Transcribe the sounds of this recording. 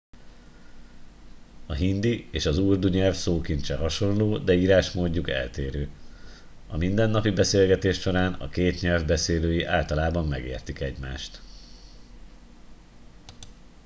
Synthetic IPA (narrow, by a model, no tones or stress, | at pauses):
ɒɦind̪ieːʃɒzuːrd̪uɲɛlfsoːkint̪t͡ʃɛɦɒʃo̞nloːd̪ɛiːɾaːʃmoːɟːukɛ̰lt̪eːɾøː | ɒmind̪ɛnːɒpibɛseːlɡɛt̪eːʃʃo̞ɾaːnɒ̰keːt̪ɲɛlvbɛseːløːjiʔaːlt̪ɒlaːbɒmːɛɡḛːrt̪ikɛɟma̰ːʃt̪